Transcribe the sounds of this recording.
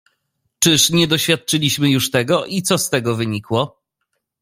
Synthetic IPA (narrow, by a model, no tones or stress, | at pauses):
t͡ʂɘʂɲɛd̪ɔɕfʲjat̪̚t͡ʂɘlʲiɕmɘjuʂt̪ɛɡɔʔit̪sɔst̪ɛɡɔvɘɲikwɔ